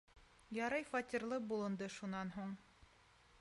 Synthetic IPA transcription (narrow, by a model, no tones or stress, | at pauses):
jɑɾɑjfɑt̪ʲiɾlˠɤbulˠɤ̆nd̪ɤʃunɑnɦuɴ